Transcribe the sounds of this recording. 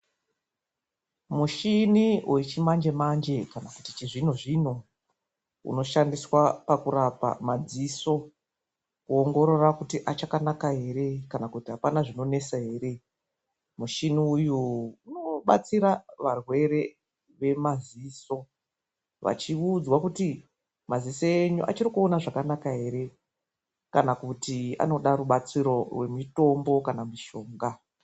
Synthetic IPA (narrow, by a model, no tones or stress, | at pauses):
muʃiniwʔet͡ʃimand͡ʒe̞mand͡ʒe̞kanakutit͡ʃiʐin̤oʐino | ṵno̞ʃandiswapakuɾapa̰mad͡ziso̞ | kuoŋɡo̞ɾo̞rakutiʔat͡ʃakanakaɦe̞ɾe̞kanakutiɦapanaʐino̞ne̞saɦe̞ːre̞ | muʃiniːjuuno̞ɓa̰t͡siɾaʋarwe̞ɾe̞ | ʋe̞maziːso̞ | ʋa̰t͡ʃiud͡zwakuti | mazisoeɲuʔa̰t͡ʃirikuo̞naʐakanakaɦe̞ɾe̞ | kanakutia̰no̞ɗaruɓat͡siɾo̞rwe̞mito̞mbo̞kanamiʃo̞ːŋɡa